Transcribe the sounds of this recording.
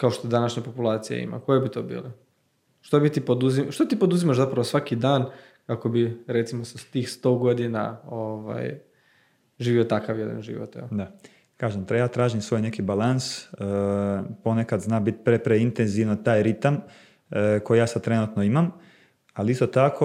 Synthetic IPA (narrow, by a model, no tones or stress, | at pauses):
kao̞ʃt̪od̪anaʃɲapopulˠaːt̪sija̰ḭma̰ko̞jebit̪oːbḭːle | ʃt̪obit̪ipod̪uzimʃt̪ot̪iːpod̪uzimaʃzapɾaʋosʋakid̪aːn | kako̞biɾet̪simosast̪iːxst̪o̞ːɡo̞d̪ina̰oʋa̰j | ʒiːʋiot̪akaʋjed̪a̰nʒḭʋo̰t̪jɛ̰ld̪a | kaːʒemt̪ejaːt̪ɾaːʒimsʋo̞jne̞kibalansəpo̞nekad̪znaːbit̪pɾepɾeint̪enziʋnat̪aːjɾit̪am | ko̞jijaːsad̪̚t̪ɾe̞nut̪noimam | aliist̪ot̪akʰo